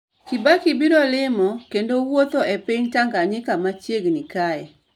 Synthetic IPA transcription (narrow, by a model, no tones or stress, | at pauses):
kɪbakibiɾɔlɪmɔkendowot̪oɛpɪɲtaŋɡaɲɪkamat͡ʃjeɡnikaɛ